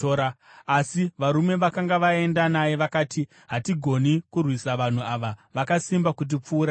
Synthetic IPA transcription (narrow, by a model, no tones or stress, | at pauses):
oɾaasiʋaɾume̞ʋakaŋɡaʋae̞ndanaje̞ʋakaːtʰi | ɦatiɡʱo̞nikurwisaʋan̤uaʋaʋakasimbakut̬ip͡fuːɾa